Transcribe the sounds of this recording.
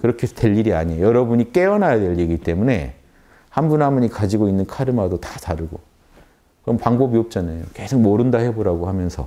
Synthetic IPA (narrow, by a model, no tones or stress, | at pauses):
kɯɾʌkʰesʰʌ̥twe̞ʎːiɾia̰ɲiojʌɾʌbuɲik͈e̞ʌnɦajadwe̞ʎːiɡit͈e̞mune̞̰ | hambunɦamuɲikad͡ʑiɡoinːɯnkʰaɾɯmadotataɾɯɡo | kɯɾʌmpaŋbobiʌp̚t͡ɕ͈anajoke̞sʰoŋmʌɾɯndahe̞boɾaɡohamjʌnsʰʌ